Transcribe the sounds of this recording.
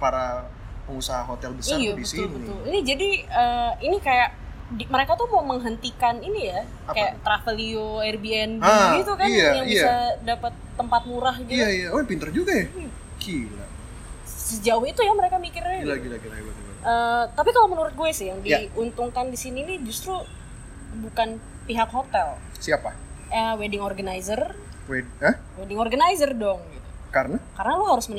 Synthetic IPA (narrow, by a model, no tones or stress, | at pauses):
paɾa | pəŋusaɦaɦot̪ɛlbəsajadiəsiʊlnbət̪ʊlinid͡ʒadiəinikajaʔ | diməɾekat̪uhmaməŋɦənt̪ikaninija | kaja̰ʔt̪ɾafəlioɛrbiɛnbaɡit̪ukainajaŋisadapət̪ːəmpat̪̚muɾahɡij̪aijaopint̪ərd͡ʒuɡaja | kila̰ | səd͡ʒauhit̪ujaməɾekamikɪrlaɡilaɡilaɡilaɡila̰ɡʔət̪apikalomənuɾʊt̪̚ɡuɛsɪhjaŋdiunt̪ʊŋkandisiniːnid͡ʒust̪ɾu | bukan | piɦakɦot̪ɛl | siapaəwedɪŋorɡanaizərwe | əhwedɪŋorɡanaizərdɔŋɡit̪ukaɾənakaɾənaloɦaɾʊsmən